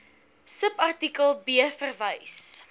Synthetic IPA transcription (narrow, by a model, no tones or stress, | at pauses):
səpɐrtikəlˠbiəfərvəjs